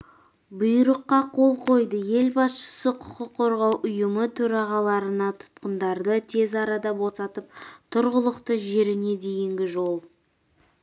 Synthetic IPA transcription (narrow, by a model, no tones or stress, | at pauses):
bʊjɾəqːɑqʰo̞lˠqʰo̞jd̪əje̞lbɑsʃə̥səqʰʊ̥qəqʰːo̞ɾʁɑwʔʊjəmət̪ʰɵɾɑʁɑlˠɑɾənɑt̪ʰʊ̥t̪̚qənd̪ɑɾd̪ət̪ʰe̞zɑɾɑd̪ɑbo̞sɑt̪əp̚t̪ʰʊɾʁəlˠəqt̪əʒe̞ɾɪne̞d̪e̞jɪŋɡʲɪʒo̞lˠ